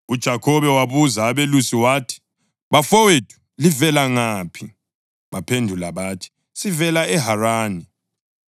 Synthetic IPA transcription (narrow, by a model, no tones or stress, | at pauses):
ud̥ʒ̥ʱakʰɔβɛwaβuzaːβelusiwaːtʰi̥ | βafɔwed̥ʱu̥ | livɛlaŋaːpʰi | βapʰendʱulaβaːtʰi̥ | sivɛlaɛɦaraːni